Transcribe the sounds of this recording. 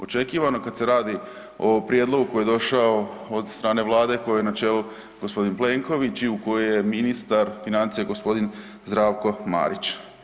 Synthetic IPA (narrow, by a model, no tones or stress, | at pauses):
o̞t͡ʃe̞kiːʋanokad̪se̞ɾaːd̪i | o̞pɾjed̪lˠo̞ɡuko̞jed̪o̞ʃao̞ | od̪st̪ɾaːne̞ʋlˠaːd̪e̞ko̞jojnat͡ʃeːlu | ɡ̥ospo̞d̪inple̞ŋko̞ʋit͡ɕiuko̞jeje̞minist̪aɾfinant̪sijeɡo̞spo̞d̪in | zd̪ɾaːʋko̞ma̰ːɾit͡ɕ